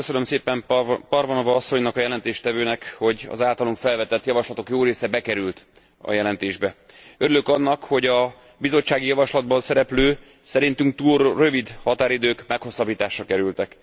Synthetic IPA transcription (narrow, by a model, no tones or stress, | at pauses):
øsønømseːpɛmpɒrvono̞vɒɒsːo̞ɲnɒkɒjɛlɛnt̪eːʃt̪ɛvøːnɛkho̞ɟɒ̰zaːlt̪ɒluŋkfɛlvɛt̪ɛt̪jɒvɒʃlɒt̪o̞kjoːɾeːsɛbɛkɛɾylt̪ | ɒ̰jɛlɛnt̪eːʒbɛ | øɾylø̞kɒnːɒkho̞ɟɒ | bizo̞t͡ʃːaːɡijɒvɒʃlɒd̪bɒnsɛɾɛpløː | sɛɾint̪yŋk̚t̪uːrːøvid̪hɒt̪aːɾid̪øːkmɛkho̞sːɒbːiːt̪aːʃɒkɛɾylt̪ɛk